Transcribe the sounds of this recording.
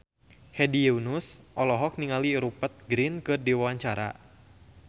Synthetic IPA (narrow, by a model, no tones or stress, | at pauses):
hɛdiɛunusʔɔlɔɦɔk̚niŋaliɾupət̪̚ɡɾinkɨrdiwawaɲt͡ʃaɾa̰